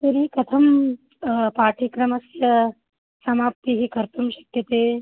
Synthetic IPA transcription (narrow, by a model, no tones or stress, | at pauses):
t̪ɐɾikɐt̪ʰɐm | paːʈʰikɾɐmɐsjɐ | sɐmaːp̚t̪iɦikɐɾt̪umʃɐ̥kjɐt̪eː